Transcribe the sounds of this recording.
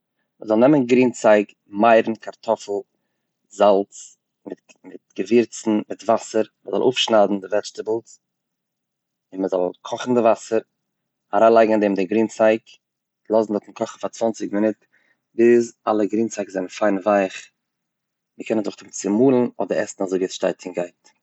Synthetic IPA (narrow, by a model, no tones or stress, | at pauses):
məzɔlˠnɛmənɡɾiːnt͡saɪk | maɪɾn̩kʰaɾtʰɔfl̩ˠ | zalˠt͡s | mɪt | mɪt̚ɡ̥əvɪɾt͡sn̩mɪtvasəɾməzɔlˠʔo̰ːfʃnaːdn̩dɪvɛt͡ʃtəbl̩ˠs | ɪnməzɔlˠkʰɔχn̩dɪvasəɾ | aɾaːnlˠaɪɡŋ̩andɛːmdɪɡɾiːnt͡saɪk | lˠɔzn̩dɔtm̩kʰɔχn̩fat͡svant͡sɪkmɪnɪt | bɪzalˠəɡɾiːnt͡saɪkzɛnn̩faɪnvaɪχ | məkʰɛnəndʊχtɪmt͡sɪmuːlˠn̩ɔ̰dəɾɛsn̩azoɪviːɛsʃtaɪtɪŋɡaɪt